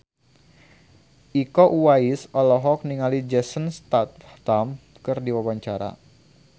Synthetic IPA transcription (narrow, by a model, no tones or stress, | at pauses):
ʔikɔʔuwaisɔlɔɦɔk̚niŋalid͡ʒɛsənst̪at̪̚t̪am | kɨrdiwawaɲt͡ʃaɾa̰